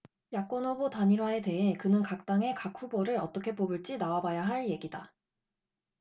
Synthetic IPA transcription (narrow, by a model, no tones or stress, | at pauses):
jak͈wʌnobotaɲiɾwae̞te̞ɦe̞kɯnɯnkak̚t͈aŋe̞kakʰuboɾɯɾʌt͈ʌkʰe̞pobɯɭt͡ɕ͈inawabajaɦaɭje̞ɡida